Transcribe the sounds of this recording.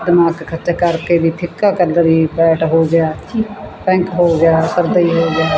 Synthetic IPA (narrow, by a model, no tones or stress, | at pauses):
d̪ɪmaːkkʰət͡ʃəkəɾked̪iːp̪ʰɪkːakələɾiːpɛːʈɦoːɡɪjaːpɛ̃ːŋkɦoːɡjaːsəɾd̪əiːɦoːɡɪjaː